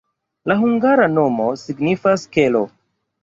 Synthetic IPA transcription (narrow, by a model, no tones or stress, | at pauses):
laɦuŋɡaɾano̞mo̞siɡnifaskelo